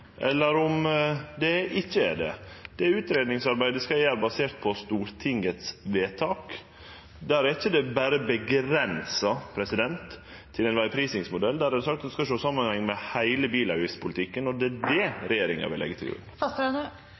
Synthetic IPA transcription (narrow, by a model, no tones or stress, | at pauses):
ʔɛlːəɾɔmd̪ɛɪçːəæɖ̪ɛ̰d̪̥ɛæʉːt̪ɾeːd̪nɪŋsɑɾbæɪd̪ɛskɑʋæːɾəbɑseːɾt̪̚pʰɔst̪uːɾt̪ʰɪŋət̪sʋeːt̪ʰɑːk | d̪æɾæɾɪçːəd̪ɛbæɾəbəɡɾɛnsɑpʰɾɛsɪd̪ɛnt̪ʰː | ɪlæɪnʋæɪpʰɾiːsɪŋsmʊd̪ɛld̪æɾæd̪sɑk̚t̪d̪ɛskɑʃoːsɑmːənhɛŋːmɛhæɪləbiːlɑɪfspʰʊlt̪ʰɪkːənɔd̪ɛæɖ̪ɛɾɛjeːɾɪŋɑ̰ʋɪlɛ̰ɡːət̪ʰɪlɡɾʉ̰nːfɑst̪ɛnə